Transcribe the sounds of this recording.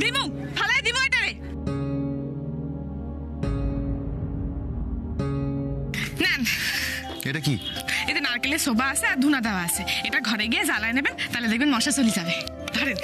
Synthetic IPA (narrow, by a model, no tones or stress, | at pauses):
d̪imu | bʰʱalajd̪imueʈaɾe | nɛn | eʈakḭed̪inaɾkelesobaasʰeaɾd̪ʱunad̪ʱaoaasʰeeʈaɡʱɔɾeɡijed͡ʑalajnebent̪aled̪ek̚benmɔʃasolid͡ʑabe | d̪ʱɔɾen